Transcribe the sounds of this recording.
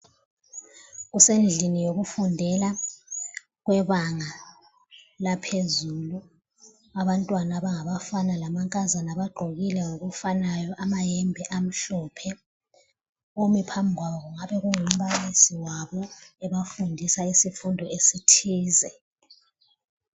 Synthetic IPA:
ɣusend͡ɮʱinijoɣufundʱɛla | ɣwɛβaŋa | lapʰezulu | aβantʼwanaβaŋaβafanalamaŋkʼazanaβaɡ͡ǃʱoɣilɛŋoɣufanajɔʔamajɛmbʱɛʔam̩ɬɔpʰɛ | omipʰambʱiɣwaβɔɣuŋaβɛɣuŋum̩βalisiwaβɔɛβafundʱisaisifundʱɔesitʰiːzɛ

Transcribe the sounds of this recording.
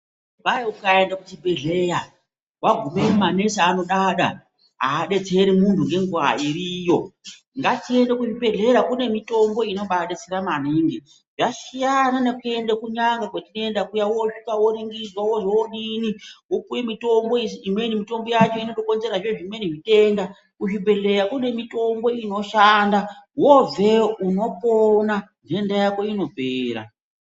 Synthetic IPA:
baeukae̞ndakut͡ʃibʱeɮe̞ja | waɡʱumemane̞saːno̞ɗaɗa̰ | ɦa̰ːɗe̞t͡se̞ɾimuntʰuŋɡe̞ŋɡua̰iɾijo̞ | ŋɡatie̞ndekuʐibe̞ɮe̞ɾakune̞mito̞mbo̞ino̞ɓaɗet͡seɾamaniŋɡe | ʐaʃijananekue̞ndekuɲaŋɡakwatinoe̞ndakujawo̞ʂikawoɾiŋɡizwawoʐewoɗiniwokujemito̞mboiimwenimito̞mbojat͡ʃo̞ino̞tokonzeɾaʐeʐimwe̞niʐite̞ŋda | kuʐibʱe̞ɮe̞ɾakune̞mito̞mbo̞ino̞ʃandawove̞uno̞ponande̞ndajako̞ino̞bʱeːɾa̰

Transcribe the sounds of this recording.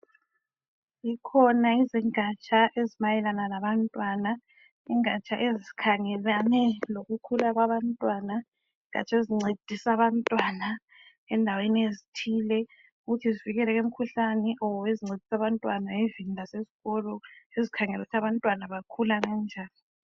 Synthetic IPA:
ikʰɔnaiziŋat͡ʃʼʰaʔezimajɛlananaβantʼwana | iŋat͡ʃʰʼaʔeziikʰaŋɛlanɛloɣukʰulaɣwaβantʼwana | iŋa̰t͡ʃʰaeziŋ͡ǀed̥ʱisaβantʼwana | ɛndʱaweniezitʰiːlɛ | uɣutʰiziviɣɛlɛɣem̩kʰuɬanɛʔɔweziŋ͡ǀʱed̥ʱi̥saβantʼwanaevindʱaseziɣɔlɔezikʰaŋɛluutʰaβantʼwanaβakʰulaŋand͡ʒʱaːni

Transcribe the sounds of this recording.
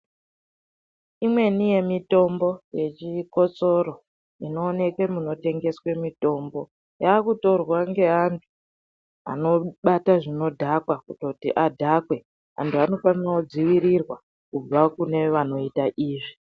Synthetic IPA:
imwe̞nije̞mito̞mbo̞je̞t͡ʃiko̞t͡so̞ɾo̞ | ino̞ːne̞ke̞muno̞te̞ŋɡe̞swe̞mito̞ːmbo̞ | jaːkuto̞rwaŋɡe̞ɦantʰu̥ | a̰no̞ɓataʐino̞dʱakwakuto̞tiʔadʱakwe̞ | a̰ntʰuano̞faniraod͡ziʋiɾirwa | kub͡vakune̞ʋano̞itaʔiːʐi

